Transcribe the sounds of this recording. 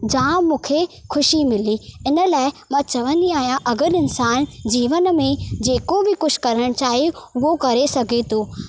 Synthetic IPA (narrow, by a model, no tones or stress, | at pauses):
d͡ʑãːmũːkʰexʰʊʃimɪliɪnə̆laːɪmãt͡ɕɐʋə̃nd̪iaːɦijãʔɐɡəɾɪnsaːnd͡ʑiːʋənmẽd͡ʑeːkobɪkʊʃkɐɾəɽ̃t͡ɕaːɦeʊɦokɐɾesɐɡʱet̪ʰoː